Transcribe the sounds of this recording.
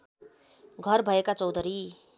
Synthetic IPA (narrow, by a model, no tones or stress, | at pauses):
ɡʱʌrbʱʌekat͡sʌwd̪ʱʌɾi